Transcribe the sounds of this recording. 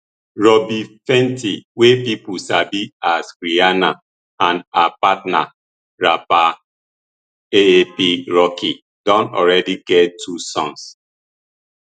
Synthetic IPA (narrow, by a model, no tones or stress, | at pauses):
ɹɔbifɛ̃ntiwepipusabiaskɾiana | ãnapat̚na̰ | ɹapa | eepiɹɔkʰi | d̥ɔ̃nɔ̰ɹɛdiɡɛttʰusɔ̃ns